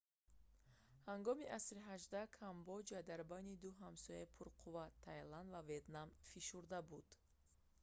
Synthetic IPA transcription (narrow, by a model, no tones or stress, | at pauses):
haŋɡɔmiʔasɾiɦaʒd̪akʰambɔd͡ʒad̪aɾbajnid̪uɦamsɔjaipʰuɾqʰuvat̪ʰːajland̪vaveet̪namfiʃuɾd̪abud̪̥